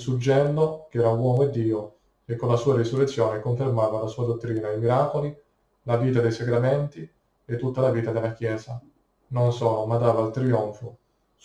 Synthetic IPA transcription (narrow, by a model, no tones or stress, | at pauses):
sud͡ʒːɛnd̪okɛːɾawɔːmoed̪ːiːo | ekːonlasuːaɾisurːet̪sːjoːnekoɱfermaːvalasuːad̪ot̪ːɾiːnaimiɾaːkoli | laviːt̪ad̪ejsaɡɾament̪i | et̪ːut̪ːalaviːt̪ad̪elːakjɛːza | nonsɔːlomad̪aːvalt̪ɾiɔɱfo